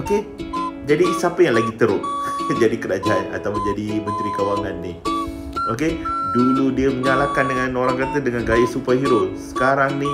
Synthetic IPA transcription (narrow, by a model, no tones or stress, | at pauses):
oked͡ʒadisapəjaŋlaɡit̪əɾʊʔ̚ɲd͡ʒadikəɾad͡ʒaana̰t̪awməɲd͡ʒadimə̃nt̪ɾikawaŋanːih | okeduludiəməŋalakandəŋanoɾaŋkərt̪ədəŋanɡajasupaɦiɾʊnsə̥kaɾaŋni